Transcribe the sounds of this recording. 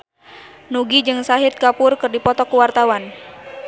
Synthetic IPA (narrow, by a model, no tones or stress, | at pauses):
nuɡid͡ʒɨŋsaɦit̪̚kapʊrkɨrdipɔt̪ɔkuwart̪awan